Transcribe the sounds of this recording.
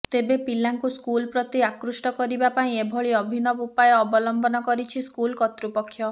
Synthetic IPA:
t̪ebepilaŋkuskulpɾɔt̪iakɾusʈɔkɔɾibapaĩebʱɔɭiɔbʱinɔbupajɔɔbɔlɔmbɔnɔkɔɾit͡ʃʰiskulkɔt̪ɾupɔkʰːjɔ

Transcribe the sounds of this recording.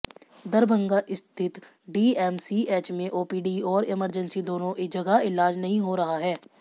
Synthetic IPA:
d̪əɾbə̃ŋɡaʔɪst̪ʰɪt̪ | ɖiːɛːmsiːeːt͡ʃmẽʔoːpiːɖiːɔːɾɪməɾd͡ʒənsid̪oːnõʔed͡ʒɐɡaɪlaːd͡ʒnəɦĩɦoɾɐɦaɦɛː

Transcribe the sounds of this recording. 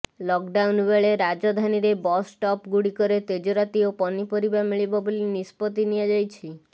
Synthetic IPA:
lɔk̚ɖawnbeɭeɾad͡ʒɔd̪ʱaniɾebɔsʈɔpɡuɽikɔɾet̪ed͡ʒɔɾat̪iopɔnipɔɾibamiɭibɔbulinispɔt̪iniad͡ʒajt͡ʃʰi

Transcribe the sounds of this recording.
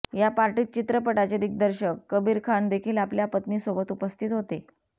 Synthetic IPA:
japaɾʈiːt̪̚t͡ɕit̪ɾəpəʈat͡ɕed̪iɡ̚d̪əɾɕəkːəbiːɾkʰand̪ekʰiːlapljapət̪niːsobət̪upəst̪ʰit̪ɦot̪e

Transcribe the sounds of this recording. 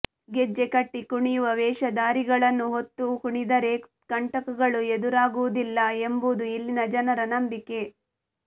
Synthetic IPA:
ɡed͡ʒːekɐʈːikuɳijuʋɐʋɛːʃɐd̪aːɾiɡɐɭɐnːuɦot̪ːukuɳid̪ɐɾe | kɐɳʈɐkɐɡɐɭued̪uɾaːɡuʋud̪ilːɐembud̪uilːinɐd͡ʒɐnɐɾɐnɐmbike̞

